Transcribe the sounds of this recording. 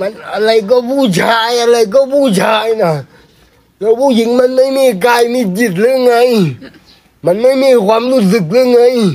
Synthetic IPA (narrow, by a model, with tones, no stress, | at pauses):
ma˧˨na˧lə˧jk̬ɔ˦bu˦˨t͡ɕʰa˧ja˧lə˧˨jk̬ɔ˦bu˦˨t͡ɕʰa˧jna˨ | kə˧bu˦ji˨˧˦ŋma˧˨nma˦˥jmi˧˨k̬aː˧jni˧˨ti˧˩˨t̚lɨ˦ŋa˧˦j | ma˧˨nma˦jmi˧˨ɣwa˧˦mlu˧˩˨zɨ˨˩k̚lɨ˦˥˦ŋa˧˦j